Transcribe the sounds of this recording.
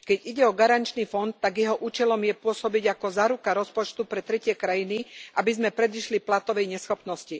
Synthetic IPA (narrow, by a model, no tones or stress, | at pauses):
kɛɟiɟɛɔɡaɾant͡ʃniːfɔnt̪ːaɡjɛɦɔʔuːt͡ʃɛlɔmjɛpʊɔsɔbiɟakɔzaːɾukaɾɔspɔt͡ʃt̪upɾɛt̪ɾɛcɪɛkɾajiniʔabizmɛpɾɛd̪iʃliplat̪ɔʋɛjɲɛsxɔpnɔsci